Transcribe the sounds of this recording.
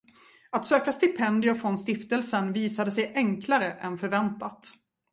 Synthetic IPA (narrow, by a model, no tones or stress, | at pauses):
at̪søːkast̪ɪpʰɛnd̪ɪʊfɾɔnst̪ɪft̪əlsənviːsad̪əsɛjʔɛŋkʰlaɾəʔɛnfœɾvɛnt̪at̪